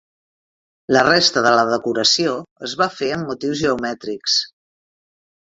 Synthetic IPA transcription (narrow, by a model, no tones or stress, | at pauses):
lərest̪əðələðəkuɾəsioəzβafeəmːut̪iwzʒəumɛt̪ɾiks